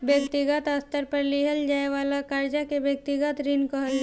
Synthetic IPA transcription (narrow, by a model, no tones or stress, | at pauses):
bjɐk̚t̪ɪɡət̪ast̪əɾpɐɾliɦəld͡ʒaːeʋaːlakaɾd͡ʒakebjək̚t̪ɪɡət̪ɾinkoɦɐl